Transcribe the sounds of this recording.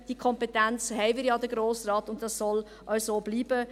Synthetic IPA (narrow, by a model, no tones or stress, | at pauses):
d̥iəkʰɔmpetænt͡shɛɪvɪːɾjɑd̪əɡɾoːsrɑːtʊntdɑssɔl | ʔɑsoːbliːb̥ə